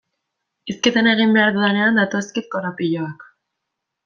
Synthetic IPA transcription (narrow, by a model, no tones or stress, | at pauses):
isket̪ene̞ɣ̞imbe̞aɾðuðene̞and̪at̪o̞skit̪̚koɾapiʎoak